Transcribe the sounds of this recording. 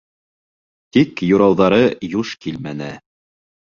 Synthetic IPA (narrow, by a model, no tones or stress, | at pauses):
t̪ikjuɾɑwðɑɾɤjuʃkilmænɘ